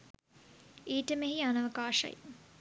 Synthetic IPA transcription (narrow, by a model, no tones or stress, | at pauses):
iːʈəmeɦianɐʋɐkaːʃɐ̰j̰